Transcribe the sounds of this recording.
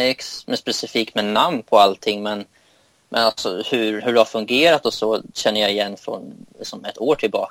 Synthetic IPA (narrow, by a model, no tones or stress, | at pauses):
ɛksmɛspɛsɪfiːk̚t̪mɛnamnpʰɔalt̪ʰɪŋːmɛn | mʔɛnalsɔhɵɾhɵɖɛhaɾfɵŋɡeːɾat̪ɔsɔɕɛnːəjaɪjɛnːfɾɔ̰nlɪksɔmɛt̪ʰoːʈʰɪlbɑ̰ː